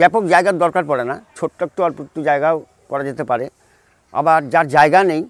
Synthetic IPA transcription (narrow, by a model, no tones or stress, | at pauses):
bɛpokd͡ʑaeɡaɾd̪ɔɾkaɾpɔɽenat͡ɕʰoʈːak̚ʈoaɾpɾut̪ːod͡ʑaeɡao | kɔɾad͡ʑet̪epaɾe | a̰baɾd͡ʑaɾd͡ʑaeɡanej